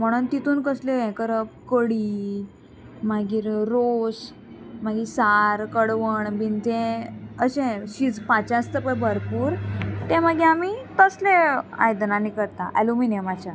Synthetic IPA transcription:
m̤əɽ̃unt̪it̪uːnkəsleɛ̃kəɾəp̚kəɽi | maɡiːɾɾos | maɡisaɾkəɽʋəɳbint̪ẽəɕẽɕid͡zpat͡ɕast̪əpəɳbʱəɾpuːɾt̪ẽmaɡĩamit̪əslea̰jd̪ənanikəɾt̪aʔɛ̰luminemat͡ɕa

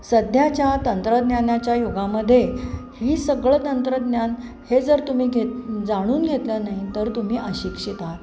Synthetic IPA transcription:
səd̪ʱjat͡ɕjat̪ənt̪ɾəd̪njanjat͡ɕjajoɡaməd̪ʱːjehiːsəɡɭət̪ənt̪ɾəd̪njan | hed͡zəɾt̪um̤iːɡʱet̪d͡zaɽ̃uːnɡʱet̪lənaɦit̪əɾt̪um̤iːʔəɕikʂit̪at̪

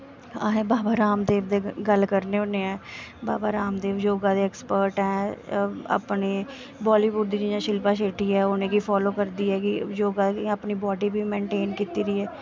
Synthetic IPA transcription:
aɦẽːbaːbaːɾaːmd̪eːʋd̪eːɡəlkəɾneːoneːɛːbaːbaːɾaːmd̪eːʋjoːɡãːd̪eːɛːkspəɾʈɦɛː | a̰pneː | baːliːʋʊɖd̪id͡ʒijãːʃɪlpãːʃeːʈʰiːɛːonẽːkiːpʰɔːloːkəɾd̪iːɛːkɪjoːɡaːapniːbɔːɖiːbʱiːmẽːɳʈeːnkiːt̪iːɾiːɛː

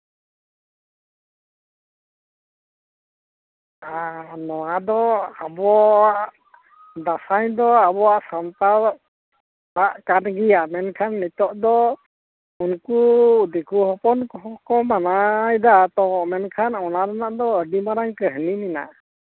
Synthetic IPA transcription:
anɔwad̪ɔabɔaʔ | d̪asajd̪ɔabɔaʔsamt̪a | baʔkanɡijamɛnkʰanːit̪ɔʔd̪ɔ | unkud̪ɛkuɦɔpɔnɔɦɔkɔmanajd̪at̪ɔʔmɛnkʰanɔnaɾanaʔd̪ɔəɖimaɾaŋkəɦnimina̰ʔ

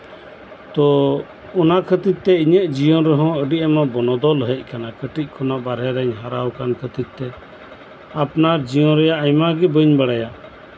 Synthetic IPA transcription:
t̪ɔ | ɔnakʰət̪it̪̚t̪ɛiɲəʔ̚d͡ʒijɔɾɛɦɔ̃əɖiʔɛmabɔnɔd̪ɔlɦɛc̚ˀkanakəʈic̚ˀkʰɔnaʔbaɾɛɾɛɲɦaɾawkankʰət̪it̪̚t̪ɛ | apnaɾd͡ʒijɔ̃ɾɛjaʔajmaɡɛbəɲbaɽaja

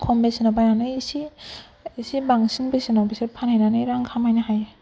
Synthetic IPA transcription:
kʰɔmbesinabajnanɯjisi | isibaŋsiŋbesinabisaɾpʰanajnanɯjɾaŋkʰamajnɯhaj

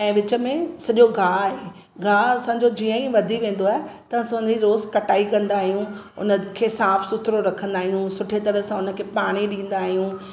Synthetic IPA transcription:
ɛ̃ːʋɪt͡ɕə̆mẽsɐʄoɡʱaːɦe | ɡʱaːɐsãːɲd͡ʑod͡ʑiə̃ĩʋɐd̪ʱiʋẽːn̆d̪oaːɦet̪ɐʋãsãʊnd͡ʑiɾoːzkɐʈaːikɐ̃nd̪aːɦijũ | ʊ̰nə̆kʰeːsaːfsʊt̪ʰɾoɾɐkʰə̃nd̪aːɦijũsʊʈʰet̪ɐɾəsãʊnə̆kʰeːpaːɽ̃iɗĩːn̆d̪aːɦijũ

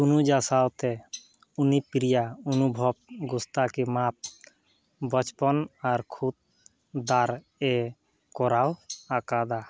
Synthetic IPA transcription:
tunud͡ʒasawt̪ɛ | unipɾijaɔnubʱɔb̚ɡust̪akimap̚ | bɔt͡ʃpɔnaɾkʰut̪̚ | d̪aɾ | ɛ | kɔɾawakad̪a

